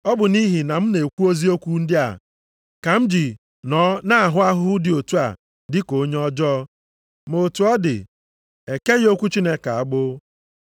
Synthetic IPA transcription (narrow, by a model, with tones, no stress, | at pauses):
ɔ˦bʊ˨ni˦ɦi˨na˨m̩˦ne˨kʷu˦o˦zi˦o˦kʷu˦n̩˦dɪ˦a̰˨ | ka˨m̩˦d͡ʒi˨ | nɔ˨˦na˦a˨ɦʊ˦a˦ɦʊ˦ʊ˦dɪ˨o˨tu˦a̰˨ | dɪ˦ko˨˦ɲe˦ɔ˦d͡ʒɔ˦ | mo˨tu˨ɔ˦dɪ̰˨ | e˨ke˦ɣo˦kʷu˦t͡ʃi˦ne˦ka˨a˨ɡ͡bʊ˦